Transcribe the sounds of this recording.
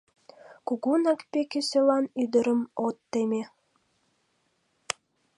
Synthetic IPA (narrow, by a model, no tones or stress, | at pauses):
kuɣunɑkpekesølɑnyd̪əɾəmot̪ːeme